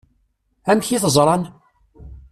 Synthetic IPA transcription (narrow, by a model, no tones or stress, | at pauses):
æmçiθəzˤɾˤɑn